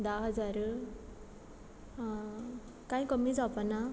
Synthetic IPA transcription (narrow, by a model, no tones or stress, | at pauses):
d̪aɦəd͡zaɾ | kãĩkəmid͡zapana